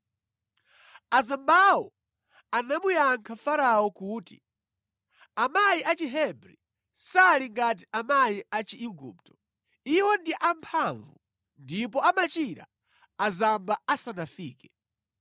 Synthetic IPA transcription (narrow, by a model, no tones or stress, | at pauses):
azambawɔ̰ | anamujaŋkʰafaɾawɔkuːti | amajiʔat͡ʃiɦɛbɾi | saliŋɡat̬iʔamajiʔat͡ʃiʔiɡṵp̚tɔ̥ | iwɔndiʔampʰaɱvu | ndipɔamat͡ʃiɾa̰ | azambaasanafiːkɛ